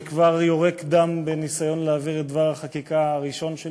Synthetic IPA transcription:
kvaʁjo̞ʁekd̪ambenisajo̞nleaːviʁet̪̚d̪vaʁhaχakikaaʁiʃo̞nʃe

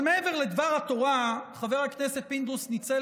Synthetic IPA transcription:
meeve̞ʁle̞d̪vaʁhat̪o̞ʁaχave̞ʁhaknese̞t̪̚pind̪usnit͡se

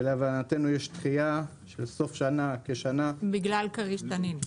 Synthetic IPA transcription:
eleavanat̪enujeʃt̪χija | ʃelso̞fʃanake̞ʃanabiɡlalkaʁiʃt̪anin

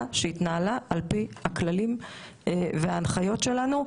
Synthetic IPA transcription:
ʃeit̪naalaʔːlpihaklalim | veaːnχajo̞tʃe̞lanu

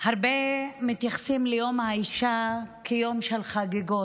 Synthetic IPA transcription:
haʁbemit̪jaχsimlejomhaiʃakʰejo̞mʃelχaɡeɡot

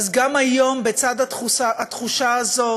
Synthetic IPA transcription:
zɡamajo̞mbet͡sad̪at̪χusaat̪χuʃaazo̞

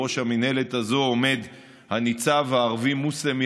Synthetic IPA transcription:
o̞ʃhamine̞le̞t̪azo̞ome̞d̪ | hanit͡savaːʁvimusemi

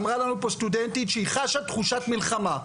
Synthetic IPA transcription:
mʁalanupost̪ud̪ent̪itʃeiχaʃat̪χuʃat̪milχama

